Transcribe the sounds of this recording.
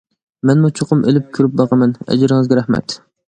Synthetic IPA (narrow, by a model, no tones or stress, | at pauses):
mɛnmut͡ʃʰoqʰʊmʔelɪp̚kʲʰyɾɪp̚bɑqɑmɛnɛ̰d͡ʒɪɾɪŋɨzɡʲɛɾæhmɛ̰t̪